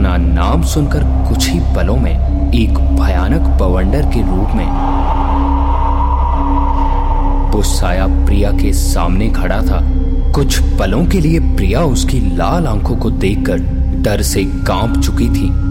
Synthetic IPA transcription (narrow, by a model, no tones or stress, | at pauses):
na | naːmsʊnkəɾkʊt͡ʃʰɦipɐlõmẽ | eːk | bʱɐjaːnəkbəʋə̃ɳɖəɾkeɾuːpmẽː | ʋoːsaːjapɾijakesa̰ːmnekʰɐɽat̪ʰa | kʊt͡ʃʰpɐlõkeliepɾijaʊskilaːlãːkʰõkod̪eːkːəɾ | ɖɐɾse | kãːpt͡ʃʊkit̪ʰiː